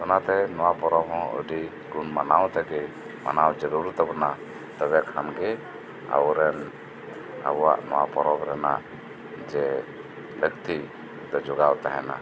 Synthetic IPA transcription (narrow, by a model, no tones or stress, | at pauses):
ɔnat̪ɛnɔwapɔɾɔbɦɔ̃ṵɖi | ɡunmanawt̪ɛɡɛ | ma̰nawd͡ʒɔɾuɾt̪ɛbɔna | t̪ɛβɛkʰamɡɛ | a̰wɾɛn | a̰bwa̰ʔnɔwa̰pɔɾɔbɾɛna̰ʔ | d͡ʒɛ | ləkt̪i | d̪ɔd͡ʒɔɡawt̪aɦɛ̰na̰